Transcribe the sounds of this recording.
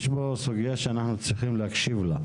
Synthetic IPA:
ʃbosuɡijaʃeanaχnut͡sʁiχimleakʃivla

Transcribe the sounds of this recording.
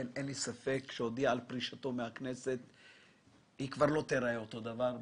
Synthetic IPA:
nʔenlisafe̞kʃeod̪iaːlpʁiʃat̪o̞mehaknese̞t̪ | hikvaʁlo̞t̪eɾaeot̪o̞d̪avaʁ

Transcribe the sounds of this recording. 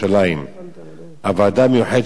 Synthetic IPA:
alain | ʔavaːd̪amejuħed̪

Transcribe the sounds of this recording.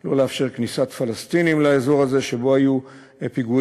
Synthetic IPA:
lo̞leafʃe̞ʁknisat̪falast̪inimlaezo̞ʁaze̞ʃe̞bo̞aju | epiɡu

